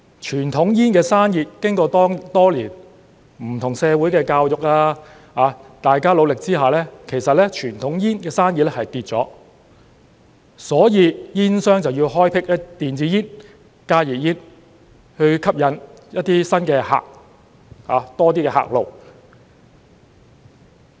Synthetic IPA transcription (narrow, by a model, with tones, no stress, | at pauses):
t͡ʃʰyː˨˩nt̪ʰʊ˨˥ŋjiː˥nkɛː˧saː˥njiː˨˧t̚kɪ˥ŋkɔː˧t̪ɔː˥ŋt̪ɔː˥liː˨˩n | m̩˨˩t̪ʰʊ˨˩ŋsɛː˨˧wuː˨˥jkɛː˧kaː˧wjʊ˨k̚laː˧ | haː˨˧t̪aː˨jkaː˥lo˨˧wlɪ˨k̚t͡siː˥ɦaː˨˩lɛː˥kʰe˨˩jsɐ˨t̚lɛː˥t͡ʃʰyː˨˩nt̪ʰʊ˨˥ŋjiː˥nkɛː˧saː˥njiː˨t̚lɛ˥hɐ˨jt̪iː˧t̚t͡sɔ̰ː˨˥ | sɔː˨˥jiː˨˧jiː˥nsœː˥ŋt͡sɐ˨wjiː˧wɦɔː˥jpʰɪ˥k̚jɐ˥t̪iː˨nt͡siː˨˥jiː˥n | kaː˥jiː˨˩jiː˥n | hɵ˧ɥkʰɐ˥p̚jɐ˨˥njɐ˥t̚t̪iː˥sɐ˥nkɛː˧ha̰ː˨k̚ | haː˨˦t̪ɔː˥t̪̬iː˥kɛː˧ɦa̰ː˨k̚lo˨w